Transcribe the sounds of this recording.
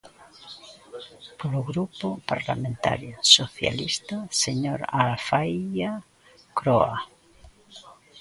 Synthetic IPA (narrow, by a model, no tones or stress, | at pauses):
poloɣɾupopaɾlamẽnt̪a̰ɾjosoθja̰list̪aseɲoɾalfaja | kɾoa